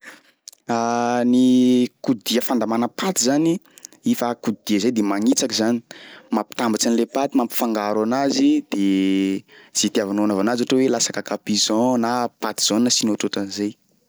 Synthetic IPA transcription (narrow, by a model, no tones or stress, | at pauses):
anikud̪iəfand̪amanəpat̪izaniifakud̪id̪iəzajd̪emaŋit͡sakizani̥mapi̥t̪ambat͡ʃanilepat̪imampi̥faŋɡaɾanazid̪̥e | z̥it̪iavanoanavanazaʈ͡ʂowelasakakapizɔ̃napat̪i̥z̥onnasinot̪otanizej